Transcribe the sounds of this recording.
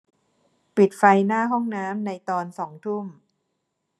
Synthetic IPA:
pi˨˩t̪̚fa˧jnaː˥˩ɦɔ˥˩ŋnaː˦˥mna˧jt̪ɔː˧nsɔː˩˦ŋt̪ʰu˥˩m

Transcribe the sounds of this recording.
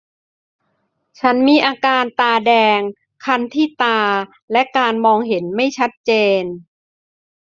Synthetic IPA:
t͡ɕʰa˦˥nmiː˧ʔaː˧kaː˧nt̪aː˧dɛː˧ŋ | kʰa˧nt̪ʰiː˥˩t̪aː˧ | lɛ˦˥ʔkaː˧nmɔː˧ŋɦe˩˦nma˥˩jt͡ɕʰa˦˥t̪̚t͡ɕeː˧n

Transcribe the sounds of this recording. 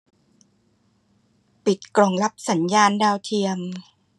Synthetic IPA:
pi˨˩t̪̚klɔ˨˩ŋla˦˥p̚sa˩˦njaː˧ndaː˧wt̪ʰi˧əŋ

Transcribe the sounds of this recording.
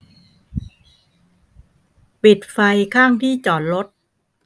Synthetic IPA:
pi˨˩t̪̚fa˧jkʰaː˥˩ŋt̪ʰiː˥˩t͡ɕɔː˨˩n̚ɾo˦˥t̪̚

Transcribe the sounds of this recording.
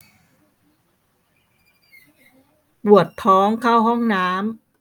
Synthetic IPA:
bu˨˩ət̪ʰːɔː˦˥ŋkʰa˥˩wɦɔ˥˩ŋnaː˦˥m

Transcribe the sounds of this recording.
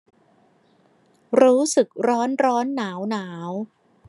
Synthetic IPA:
ɾuː˦˥sɯ˨˩k̚ɾɔː˦˥nɾɔː˦˥nːaː˩˦wnaː˩˦w

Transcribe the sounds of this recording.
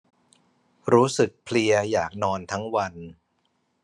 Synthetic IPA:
ɾuː˦˥sɯ˨˩k̚pʰli˧ɐjaː˨˩k̚nɔː˧nt̪ʰa˦˥ŋwa˧n

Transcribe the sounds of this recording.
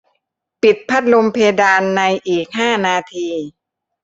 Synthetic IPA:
pi˨˩t̪̚pʰa˦˥t̪̚lo˧mpʰeː˧daː˧nːa˧jʔiː˨˩k̚haː˥˩naː˧t̪ʰiː˧

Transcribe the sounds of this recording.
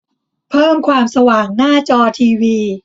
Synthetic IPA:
pʰɤː˥˩mkʰwaː˧msa˧waː˨˩ŋnaː˥˩t͡ɕɔː˧t̪ʰiː˧wiː˧

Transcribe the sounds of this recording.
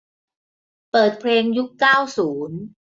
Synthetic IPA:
pɤː˨˩t̪̚pʰleː˧ŋju˦˥kːaː˥˩wsuː˩˦n

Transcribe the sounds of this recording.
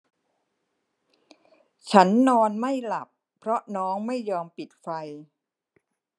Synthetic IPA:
t͡ɕʰa˦˥nːɔː˧nma˥˩jla˨˩pːʰɾɔ˦˥nɔː˦˥ŋma˥˩jːɔː˧mpi˨˩t̪̚fa˧j

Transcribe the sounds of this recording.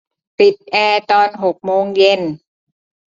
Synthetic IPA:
pi˨˩t̪̚ʔɛː˧t̪ɔː˧nɦo˨˩k̚moː˧ŋje˧n

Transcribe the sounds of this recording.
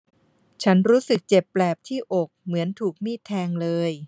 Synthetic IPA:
t͡ɕʰa˦˥nɾuː˦˥sɯ˨˩k̚t͡ɕe˨˩pːlɛː˨˩p̚t̪ʰiː˥˩ʔo˨˩k̚mɯ˩˦ənt̪ʰuː˨˩k̚miː˥˩t̪ʰːɛː˧ŋlɤː˧j

